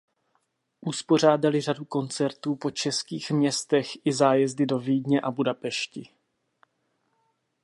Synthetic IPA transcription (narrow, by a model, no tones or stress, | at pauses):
ʔuspo̞r̝aːdalɪr̝aduko̞nt͡sɛɾt̪uːpo̞t͡ʃɛskiːxmɲɛst̪ɛxʔɪzaːjɛzdɪdo̞viːdɲɛʔabudapɛʃcɪ